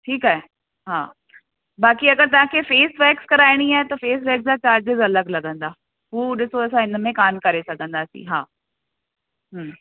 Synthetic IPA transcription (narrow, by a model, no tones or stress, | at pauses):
ʈʰiːkaːɦe | ɦaː | baːkiɐɡəɾt̪ɐʋ̤ãkʰefeːsʋɛːkskɐɾaːɪɽ̃iaːɦet̪ofeːs̬ʋɛːkzat͡ɕaːɾd͡ʑɪzɐləɡlɐɡʱə̃nd̪aː | ɦuːɗɪsoɐs̬ãɪnmẽkaːmkɐɾesɐɡʱə̃nd̪aːsḭ̃ɦaː | ɦ